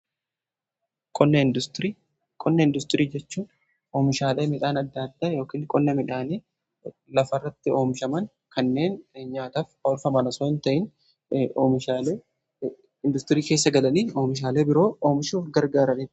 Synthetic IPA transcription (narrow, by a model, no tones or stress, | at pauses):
kʼɔnːɐnd̪ɾiː | kʼɔnːɐɪnd̪ʊst̪ɪɾiːd͡ʒɛt͡ʃːuːn | oːmɪʃaːle̞ːmɪᶑaːnɐd̪ːaːd̪ːaːjo̞ːkiːnkʼɔnːɐmɪᶑaːneː | lɐfɐrːɐt̪ːɪo̞ːmɪʃɐmɐn | kɐnːe̞ːnɲaːt̪aːfɐʊlfɐmɐnɐsoːɪnt̪ɐʔɪnː | mɪale | ɪnd̪ʊst̪ɪɾiːkeːs̬ːɐɡɐlɐniːo̞ːmɪʃ̬aːle̞ːbɪɾo̞ːoːmɪʃuːfɡɐɾɡaːɾɐniː